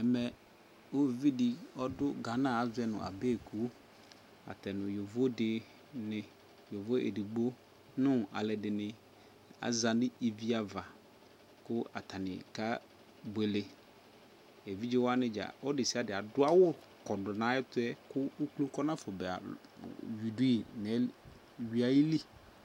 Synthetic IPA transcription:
ɛ˨mɛ˨ | o˦˨vi˦dɪ˨ɔ˦dʊ˦ɡa˨nã˦˨a˨zʊ˦ɛ˦nʊ̰̃˨ʔa̰˨be˦˨kʰu˦ | a̰˨tɛ˨nʊ̃˨jo˨vo˦dɪ˨ | nɪ̃˨ | jo˨vo˦ḛ˨di˨ɡ͡bo˦ | nʊ̃˦a̰˨lɛ˨dɪ˨nɪ̃˨ | a̰˨zã˨dɪ˦e˨vi˦a˨va˨ | kʊ˦ʔa˨tʰa˨nɪ̰˨ka˦ | be˨le˨ | e˨vi˦d͡ʒɪ˦wa˦nɪ̃˦d͡ʒa̰˨ɔ˦dɪ˨sɪ˦a˨˦dɪ˨a˨dʊ˦a˦wʊ˦ | kɔ˨dʊ˨nã˨˦ɛ˦tʊ˦ɛ˦kʊ˦u˦klu˦kɔ˦nã˦fʊ˨bɛ˨a̰˨ | ju˨du˦i˦˨nɛ˨˦ | ɥi˨a˨ji˦li˦

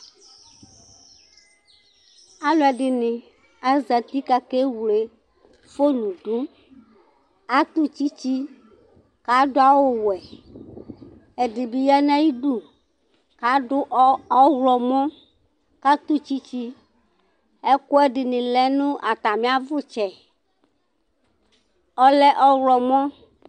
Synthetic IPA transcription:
a˦lʊ˨˦ɛ˨ɖɪ˨nɪ̃˨ | a˦za˨t̪i˦ka˦ke˦wu˨le˨ | fo˦nũ˨ɖu˦ | a˦t̪u˦t͡ɕi˦t͡ɕi˦ | ka˨ɖʊ˦a˦˨wo˦wɛ˨ | ɛ˨ɖɪ˨bi˨ja˦nã˦ji˦ɖu˦ | ka˨ɖʊ˦ʔɔ˦wɔ˨mɔ̃˦ | ka˦t̪u˦t͡ɕi˦t͡ɕi˦ | ɛ˦kʊ˦ɛ˦ɖɪ˨nĩ˨lɛ˦nũ˦ʔa˨t̪a˨mĩ˦a˦vʊ˦t͡ʃɛ˨ | ɔ˦lɛ˦ʔɔ˦wlɔ˨mɔ̃˦

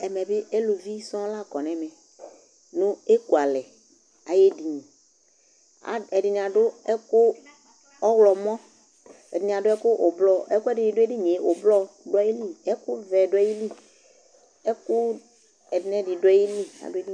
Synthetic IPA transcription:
ɛ˨mɛ̃˨bɪ˦e˦lo˨vi˦sɔ̃˦la˦˨kɔ˨nɛ˨mɛ̃˨ | nũ˦e˦ku˨a˨lɛ˨ | a˨je˦di˨ɲĩ˨ | a̰˨ɛ˨dɪ˨n˨a˨ɖʊ˦ɛ˦kʊ˦ | ɔ˦wlɔ˨mɔ̃˦ | ɛ˨di˨n˨a˨ɖʊ˦ɛ˦kʊ˦ʔo˨blɔ˦ɛ˦kʊ˦ɛ˦˨dɪ˨ɲĩ˨dʊ˦e˦dɪ˦ɲẽ˨o˨blɔ˦ɖʊ˦i˦li˦ɛ˦kʊ˦vɛ˨dʊ˦ji˦li˦ | ɛ˦kʊ˦ | ɛ˨dɪ˨nɛ˨di˨dʊ˦ji˦li˦a̰˨dʊ˦e˦di˦

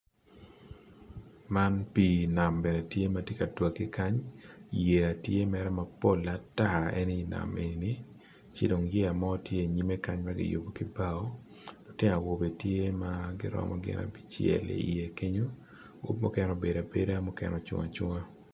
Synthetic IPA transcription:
ma˦npi˨na˨mbɛ˨nɛ˨tje˦ma˦tje˦ka˨twa˨kːɪ˦ka˦ɲje˨a˨tje˦mɛ˦ɾɛ˦ma˨po˦˨lːa˨ta˦˨ɛ̰˦ni˦na̰˨me˨ni˨ni˦ | t͡ʃɪ˦do˨ŋje˦a˨mɔ˦tje˦˨ɲi˦me˦ka˦ɲma˦ɡɪ̰˦jo̰˨bo˨kɪ˦ba˦ɔ˦ | lɔ˨tɪ˦ŋa˨wo˨be˨tje˦maɡɪ˦ɾɔ̰˦mɔ̰˦ɡɪ̰˦nʔa̰˨pi̥˦t͡ʃjɛ̰˨lḛ˨i˨je˨ke˦ɲo˦ | ɡṵ˦p̚mɔ˦kɛ˦nɔ˨be˨da˨be˦da˦mɔ˦kɛ̰nɔ˨t͡ʃʊ̰˦ŋa̰˨t͡ʃʊ˦ŋa˦

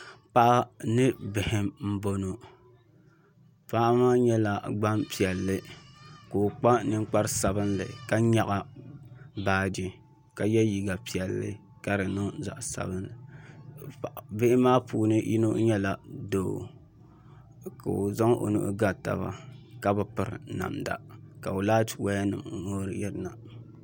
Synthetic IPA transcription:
pa˦ʔa˦nɨ˦bɪ˨hɪ˦mm̩˦bo˦no˨ | pa˦ʔmaː˦ɲɛ˦la˨ɡ͡ba˦mpi˨ɛ˨lːɨ˦ko˨k͡pa˦nɨ˦ŋ˦k͡pa˦ɾɨ˦sa˨bɨ˦nlɨ̰˨ka˦ɲa˦ɣa˦ | baː˨di˨ | ka˨jɛ˦ji˨ɡa˨pi˨ɛ˨lːɨ̰˦ | ka˦ɾɨ˨no˦za̰˨ʔsa̰˨bɨ˦nlɨ˨ | ʔbɪ˦ʔɪ˦maː˦puː˨nɨ˦ʔḭ˦no̰˦ɲɛ˦la˨doː˨ | ka̰˨o˨za˦ŋʔo̰˨nṵ˦ʔɡa˦ta̰˨βa̰˦ka˦bɨ˨pɨ˨ɾna̰˨mda̰˨ka˨o˨laː˦twa˦ja˦nɨ̰˨m˨ŋo˦ɾɨ̰˦jɛ˦ɾɨ˦na˨

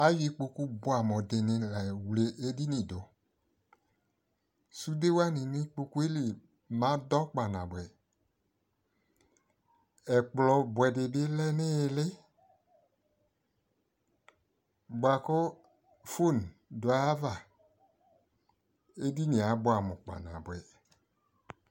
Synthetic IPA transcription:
a˦ji˨k͡po˧ku˦bo˦a˨mɔ̃˨de˨nɪ̃˨lɛ˨wle˨ʔe˦di˦nĩ˨do˨˦ | su˦de˦wa˦nɪ̃˨nɪ̃˦k͡po˧ku˦e˦li˨ | mã˨˦dɔ˦k͡pa˨nã˨bwɛ˨ | ɛ˨k͡plɔ˨bwɛ˨dɪ˨dɪ˦lɛ˦nɪ˦˨lɪ˦ | ba˨kʊ˦ | fo˦˨n˨dʊ˨a˨˦va˨ | e˦di˦nĩ˨a˨˦bʊ˦a˨mʊ̃˨k͡pa̰˨nã̰˨bɛ˨

